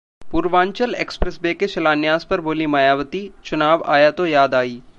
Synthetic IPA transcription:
puːɾʋãːɲt͡ʃəleːkspɾesbeːkeʃɐlaːnjaːzpɐɾboːlimaːjaːʋət̪it͡ʃʊnaːʋa̰ːjat̪ojaːd̪aːiː

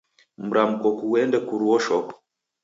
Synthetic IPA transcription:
m̩ɾam̩kɔkuwɛndɛkuɾuwɔʃɔkɔ̥

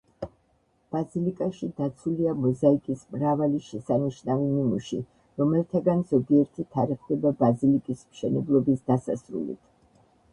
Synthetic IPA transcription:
b̥azilikʼaʃid̪at̪sʰuliamɔzaikʼismɾavaliʃɛsaniʃnavimimuʃḭ | ɾɔmɛlˠt̪ʰaɡanzɔɡiɛɾt̪ʰit̪ʰaɾɛχd̪ɛbabazilikʼismʃɛnɛblˠɔbisd̪asa̰sɾṵlḭt̪ʰ

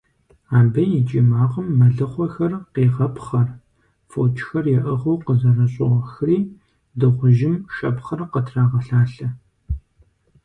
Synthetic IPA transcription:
aːbɐjɪt͡ʃʼimaːʁəmːɐɮɨχʷɔxɐrqeːʁɐpχɐr | fot͡ʃʰʼxɐrjɛʔɐʁɐwqəzɐrɐɕʼɪʁɐxɨriː | dɨʁʷʊʒɪmʃɐpχɐrqətʰraːʁɐɬaːɬɐ

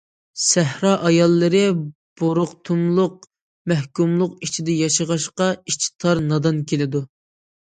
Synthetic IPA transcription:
sæhɾɑːʔɑjɑlˠːɨɾɨ | b̥oɾʊqt̪ʰumlˠʊq̚ | mæhkumlˠʊqit͡ʃʰid̪ɛjɑʃəʁɑʃqɑit͡ʃʰi̥t̪ʰɑɾnɑd̪ɑnkʲʰelɪd̪u

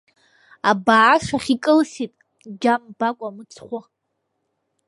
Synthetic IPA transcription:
abaːʂaχʲikʼɨlsitʼ | d͡ʒambakʷʼamɨt͡sʰχʷʊ

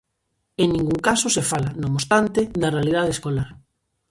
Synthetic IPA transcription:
eŋnĩŋɡuŋkasosefalanomost̪ant̪ed̪ɐrealið̞að̞eskolaɾ

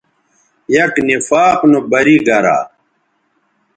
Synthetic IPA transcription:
jɐknifaːqnubɐɾiɡɐɾa̰ː

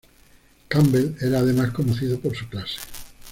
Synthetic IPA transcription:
kambeleɾaːðemaskonoθiðopoɾsuklase̥

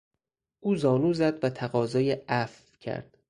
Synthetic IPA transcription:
ʔuːzɒːnuːzæd̪væt̪ʰæɣɒːzɒːjeʔæf | cʰæ̰ɾd̪̥

